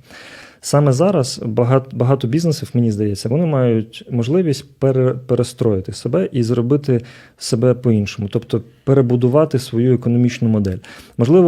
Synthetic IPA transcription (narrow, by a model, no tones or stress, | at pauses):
sɑmɛzɑɾɐzɦbɐɦɑt̪ɔbʲiznesiwmenʲizd̪ɐjɛt͡sʲːɐʋɔnɪmɑjʊtʲmɔʒlˠɪʋʲisʲt̚ʲpeɾepeɾʔest̪ɾɔjɪt̪ɪsebɛʔizɾɔbɪt̪ɪ | se̞bɛpɔinʃɔmʊt̪ɔpt̪ɔpeɾebʊd̪ʊʋɑt̪ɪsʋɔjuɛkɔnɔmʲit͡ʃnʊmɔd̪ɛ̰lʲmɔʒlˠɪʋɔ